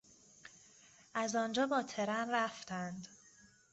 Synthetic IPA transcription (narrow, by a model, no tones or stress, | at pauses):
ʔæzɒnd͡ʒɒːbɒːt̪ʰe̞ɾænɾæft̪ʰænd̪